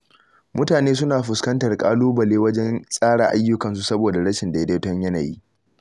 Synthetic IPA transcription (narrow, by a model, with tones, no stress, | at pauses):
mʊ˦taː˨neː˦s̬ʊ˦naː˨ɸʊ˨skɐ˦ntɐ˨rkʼaː˦luː˦bɐ˨leː˦wɐ˦d͡ʒɛ˦nsʼaː˦ɽaː˨ʔa˦jːʊ˦kɐ˨ns̬u˨sɐ˦boː˨da˨ɽɐ˦ʃɪ˨nda˨jɐ˦de˦tɔ˦ɲjɐ˦naː˨ji˦ʔ